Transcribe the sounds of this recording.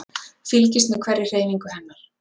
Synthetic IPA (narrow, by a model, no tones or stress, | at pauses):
filcɪst̪nʏkʰvɛɾːɪr̥eːjviŋkʏhɛmːal